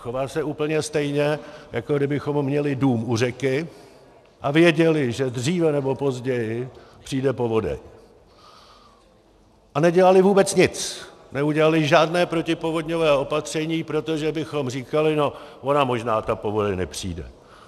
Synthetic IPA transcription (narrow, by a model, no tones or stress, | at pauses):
xovaːsɛuːpl̩ɲɛst̪ɛjɲɛjakoɡdɪbɪxo̞mːɲɛlɪduːmur̝ɛkɪ | ʔavjɛɟɛlɪʒɛdriːvɛnɛbo̞po̞zɟɛjɪ | pr̝̥iːdɛpo̞vo̞dɛ̰ɲ | ʔanɛɟɛlalɪvuːbɛt͡sɲɪt͡snɛuɟɛlalɪʒaːdnɛːpɾo̞cɪpo̞vo̞dɲo̞vɛːʔo̞pat̪r̝̥ɛɲiːpɾo̞t̪oʒɛbɪxo̞mr̝iːkalɪno̞ʔo̞namo̞ʒnaːt̪apo̞vo̞dɛɲnɛpr̝̥ḭːdɛ̰